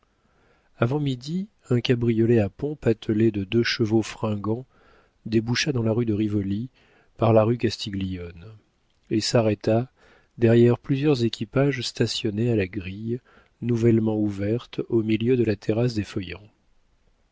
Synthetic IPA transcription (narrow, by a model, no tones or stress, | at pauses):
avɑ̃mid̪i | ɛ̃kabʁijɔleapɔ̃pat̪ʰəled̪əd̪øʃəvofχɛ̃ɡɑ̃ | d̪ebuʃad̪ɑ̃laʁyd̪əʁivɔli | paʁlaʁykast̪ʰiɡlijɔn | esaʁɛt̪a | d̪ɛʁjɛʁplyzjœʁzekʲʰipaʒst̪asjɔnealaɡʁij | nuvɛlmɑ̃uvɛʁt̪omiljød̪əlat̪ʰeʁas̬d̪efəjɑ̃